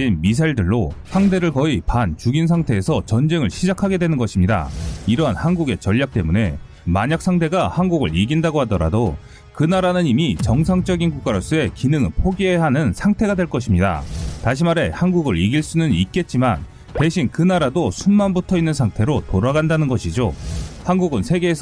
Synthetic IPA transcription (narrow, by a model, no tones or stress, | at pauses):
inmis̬ʰaiɭdɯɭːosʰaŋde̞ɾɯɭkʌipant͡ɕuɡinsʰaŋtʰe̞ːsʰʌt͡ɕʌnd͡ʑe̞ŋɯɭɕʰid͡ʑakʰaɡe̞dwe̞nɯnɡʌɕʰimɲida̰iɾʌɦanhanɡuɡe̞t͡ɕʌʎːak̚t͈e̞mune̞ | maɲak̚s͈ʰaŋtʰeɡahanɡuɡɯɭiɡindaɡoɦadʌɾa̰do | kɯnaɾanɯɲimit͡ɕʌŋsʰaŋt͡ɕ͈ʌɡinɡuk͈aɾos͈ue̞kinɯŋɭpʰoɡieɦanɯnsʰaŋtʰe̞ɡadwe̞ɭk͈ʌɕʰimɲida̰taɕ̬ʰimaɾe̞hanɡuɡɯɾiɡiɭs͈unɯnit̚k͈e̞t̚t͡ɕ͈iman | te̞ɕʰinkɯnaɾadosʰunmanbutʰʌinːɯnsʰaŋtʰe̞ɾotoɾaɡandanɯnɡʌɕʰid͡ʑohanɡuɡɯnsʰe̞ɡe̞ːsʰ